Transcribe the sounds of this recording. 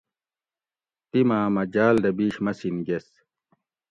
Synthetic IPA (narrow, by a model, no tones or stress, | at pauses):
t̪imaːmɐd͡ʑaːld̪ɐbiːɕmɐsinɡes